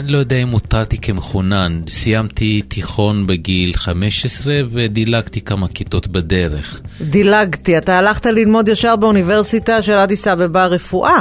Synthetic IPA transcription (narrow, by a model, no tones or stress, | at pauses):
anilo̞jod̪eaimut̪ʁalt̪ikemeχunansijamt̪ʰit̪iχo̞nbeɡilχame̞ʃesʁeved̪ilaɡt̪ikamakit̪o̞t̪bad̪eʁḛχd̪ilaɡt̪iat̪aːlaχt̪alilmo̞d̪jaʃaʁbeunive̞ʁsitaʃelad̪isabebaʁefuʔa